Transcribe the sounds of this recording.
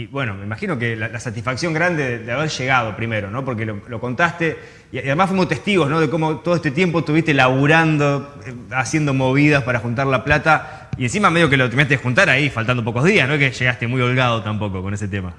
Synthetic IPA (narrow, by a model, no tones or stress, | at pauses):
iβwe̞no̞meimaxino̞kelalasat̪isfaksjoŋɡɾand̪eðeðeaβ̞eɾʃe̞ɣað̞o̞pɾime̞ɾo̞no̞po̞ɾk̬elolo̞ko̞nt̪ast̪e | iaðemasfwimost̪e̞st̪iɣozno̞ð̞eko̞mot̪oð̞oest̪et̪je̞mpoet̪uβiht̪elaβuɾand̪o̞ | easje̞nd̪o̞mo̞βið̞aspaɾaxunt̪̬aɾlaplat̪a | ie̞nsimameðiɣokelot̪eɾminat̪eexunt̪aɾaifalt̪and̪o̞po̞ko̞zðiasnoekeʃe̞ɣast̪emujo̞lɣað̞o̞t̪ampo̞ko̞ko̞nes̬e̞t̪ema